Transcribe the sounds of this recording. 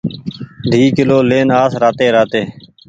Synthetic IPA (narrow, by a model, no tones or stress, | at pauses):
d̪ʱiːkɪloːleːnaːsɾaːt̪eːɾaːt̪eː